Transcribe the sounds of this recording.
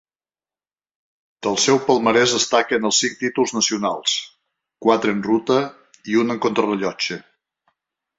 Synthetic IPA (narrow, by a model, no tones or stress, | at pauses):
d̪̥əlˠsɛwpəlˠməɾɛzðəst̪akənəlˠsiŋ̚t̪it̪ulˠznəsiunalˠs | kwat̪ɾəənrut̪ə | iunəŋkont̪ɾərəʎɔt͡ʃə